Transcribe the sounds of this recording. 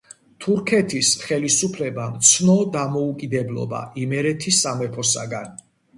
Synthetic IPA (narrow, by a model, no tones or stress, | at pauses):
t̪ʰuɾkʰɛt̪ʰisχɛlisupʰlɛbamt̪sʰnɔd̪amɔukʼid̪ɛblˠɔ̰ba̰ʔimɛɾɛt̪ʰisamɛpʰɔsa̰ɡan